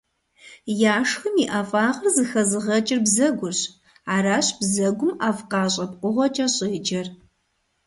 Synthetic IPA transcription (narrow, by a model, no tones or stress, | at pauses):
jaːʂxɨmiːʔaːfʼaːʁɐrzɨxɐzɨʁɐt͡ʃʼɪrbzɐɡʷʊɕ | aːɾaːɕb̥zɐɡʷʊmaːfqɑːɕʼɐpʼqʷʊʁʷɔt͡ʃʼɐɕʼɪːd͡ʒɐr